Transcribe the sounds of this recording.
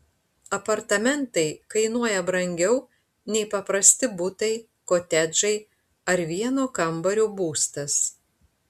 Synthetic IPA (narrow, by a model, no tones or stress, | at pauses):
ɐpɐɾt̪ɐmʲɛnt̪ɐɪkɐɪnuɔjɛbɾɐŋʲɡʲɛʊ | nʲɛɪpɐpɾɐsʲt̪ʲɪbʊt̪ɐɪ | koːt̪ʲɛd͡ʒɐɪ | ɐɾʋʲiɛnoːkɐmbɐɾʲoːbuːst̪ɐs